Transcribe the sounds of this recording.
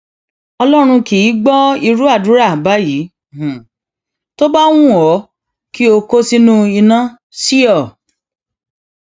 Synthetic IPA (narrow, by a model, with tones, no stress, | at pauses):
ɔ˧lɔ˦ɾ̃ũ˧ki˨˦ɡ͡bɔ˦i˧ɾu˦a˦˨du˨˦ɾa˦˨ba˦jĩː˨˦˨ | to˦ba˦w̃ũ˦ɔ˨˦ | ki˦o˧ko˦si˦nũ˦i˧nã˦ | si˦ɔ˦˨